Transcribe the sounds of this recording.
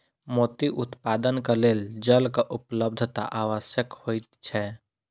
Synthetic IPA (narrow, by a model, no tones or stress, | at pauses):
moːt̪iʔʊt̪paːd̪ənkaleːld͡ʒəlkaʔʊpləb̚d̪ʱt̪a̰ʔaːʋəʃjəkhoːit̪t͡ʃʰɛ